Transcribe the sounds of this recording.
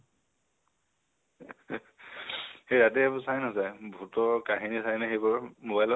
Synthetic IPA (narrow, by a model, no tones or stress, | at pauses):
hejɾatɛbusajnasajbʱutɔkaɦinisajnaxejbɔɹmobajlɔ